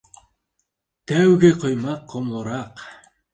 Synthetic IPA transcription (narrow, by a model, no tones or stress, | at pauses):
t̪æwɡeqʰojmɑqʰːomlˠoɾɑq